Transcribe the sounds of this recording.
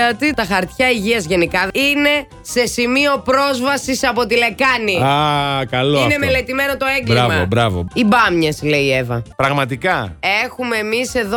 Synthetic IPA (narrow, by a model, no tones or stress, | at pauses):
ot̪it̪ɐxɐɾt̪çɐiʝiɐzʝe̞nikɐine̞ | se̞simio̞pɾo̞zvɐsisɐpo̞t̪ile̞kɐniakɐloine̞me̞le̞t̪ime̞no̞t̪o̞e̞ŋɡlɾiɐmɐobɾɐvo̰ibɐmɲesle̞ie̞vɐ̰pɾɐɣmɐt̪̬ikɐe̞xume̞ːmise̞ðo